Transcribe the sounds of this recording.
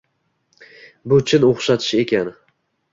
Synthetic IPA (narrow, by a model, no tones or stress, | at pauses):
bʊt͡ʃʰɪnoχʃat̪ʰɪ̥ʃe̞kʲʰan